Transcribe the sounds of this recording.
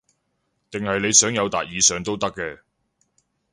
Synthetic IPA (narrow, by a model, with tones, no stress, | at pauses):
t̪ɪ˨ŋhɐ˨jne˨˧jsœː˨˥ŋjɐ˨˧wt̪a̰ː˨t̚jiː˨˧sœː˨ŋt̪o˥wt̪ɐ˥kːɛː˧